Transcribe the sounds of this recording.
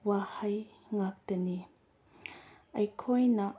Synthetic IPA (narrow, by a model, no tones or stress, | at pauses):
wahɐj | ŋak̚t̪əni | ʔɐjkʰɔjna